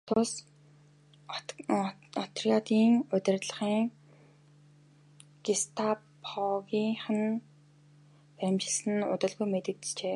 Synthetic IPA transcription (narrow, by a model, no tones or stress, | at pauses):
t̪ʰʊs | ɔt̪ʰriat̪iːŋʊt̪ʲɪ̆rt̪ɮə̆χiːŋ | ɡ̥ist̪ʰapʰɔɣiːŋχə̆n | æmt͡ɕɪ̆ɮsɘ̆nʊ̰t̪ə̆ɮɣujmet̪ɘ̆kt̪t͡ɕeː